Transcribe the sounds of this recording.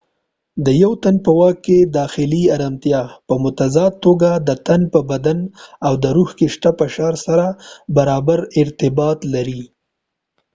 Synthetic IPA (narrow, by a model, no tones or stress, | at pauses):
d̪əjawt̪anpəwɑkːed̪ɑxɪliaɾamt̪jɑpəmʊt̪azɑd̪̚t̪ːoɡad̪ət̪anpəbad̪anawd̪əɾuhkeʃʈ̪apəʃɑɾsaɾabaɾɑbaɾɪɾt̪ɪbɑt̪laɾi